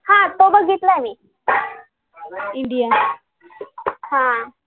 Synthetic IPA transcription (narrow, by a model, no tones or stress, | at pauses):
hãt̪obəɡʱit̪ləmi | iɳɖija | hã